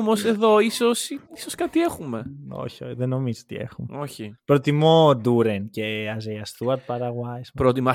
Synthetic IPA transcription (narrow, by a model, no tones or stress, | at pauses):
mose̞ðo̞isosisoskat̪iexume̞o̞̰çioçiðeno̞mizot̪ḭḛxumoçipɾo̞t̪imo̞d̪uɾenceɐzejɐst̪uɐɾt̪̚pɐɾɐɣwajspɾot̪imɐ